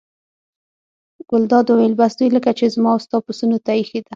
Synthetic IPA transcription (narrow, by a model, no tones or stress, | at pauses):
ɡ̥ʊld̪ɑd̪uwelbasd̪ujləkat͡ʃezmɑʊst̪ɑd̪̚pʊsunot̪ajixed̪a